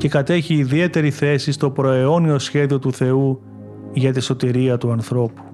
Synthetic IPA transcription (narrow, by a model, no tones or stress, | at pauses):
ce̞kɐt̪e̞çiːðie̞t̪e̞ɾiθe̞sist̪o̞pɾo̞eo̞nio̞sçe̞ðio̞t̪uθe̞u | ʝɐt̪iso̞t̪iɾiɐt̪uɐnθɾo̞pu̥